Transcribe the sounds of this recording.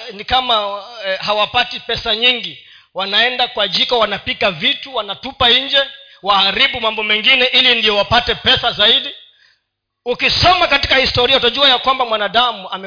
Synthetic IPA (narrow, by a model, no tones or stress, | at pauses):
nikamahawapatipɛsaɲiŋɡi | wanaɛndakuaʄikawanapikavituwanatupaiɲd͡ʒɛ | waaɾiɓumambɔmɛŋɡinɛʔilindijɔwapatɛpɛsazaiɗi | ukisɔmakati̥kahistɔɾiautaʄuajakwambamwanaɗamuamɛ